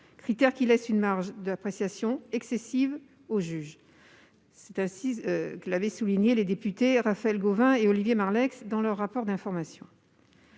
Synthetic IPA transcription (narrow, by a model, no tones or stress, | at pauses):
kχit̪ɛʁkʲilɛsynmaʁʒd̪apχesjasjɔ̃ɛksesiv | oʒyʒ | sɛt̪ɛ̃sikəlavɛsuliɲeled̪epyt̪eʁafaɛlɡovɛ̃eɔlivjemaʁlɛksd̪ɑ̃lœʁːapɔʁd̪ɛ̃fɔʁmasjɔ̃